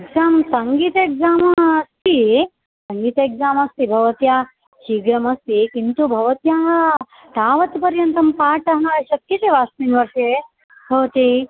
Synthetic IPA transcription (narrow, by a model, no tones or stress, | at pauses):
eɡzaːmsɐŋɡiːt̪eɡzaːmɐst̪ʰi | sɐŋɡiːt̪ɐeɡzaːmɐst̪ibʱɐʋɐt̪jaː | t͡ʃiːɡɾɐmɐst̪ikint̪ubʱɐʋɐt̪jaːɦɐ | t̪aːʋɐt̪pɐɾjɐnt̪ɐmpaːʈɐɦnaʃɐkjɐt̪eʋaːsmiːnʋɐɾʂe | bʱɐʋɐt̪i